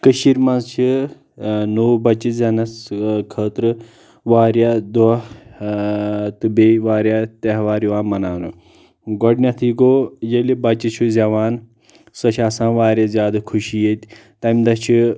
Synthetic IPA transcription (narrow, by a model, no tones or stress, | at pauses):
kəʃiːɾmɐnzt͡ʃʰi | noːwbɐt͡ʃːizʲɐnɐskʰəːt̪ɾɨ | ʋaːɾjad̪ɔ | t̪ɨbeːʋaːɾjat̪ɐɦʋaːɾiʋaːmɐnaːnṵ | ɡɔɖnʲat̪ʰiɡojelibɐt͡ʃit͡ʃʰuzʲɐʋaːn | sɐt͡ʃʰasãːʋaːɾʲjazʲjaːd̪ɐkʰuʃijet̪ʲ | t̪ɐmd̪ɐt͡ʃʰi